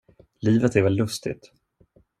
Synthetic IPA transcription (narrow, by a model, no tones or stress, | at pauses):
liːvət̪ɛɾvɛlːɵst̪ɪ̰t̪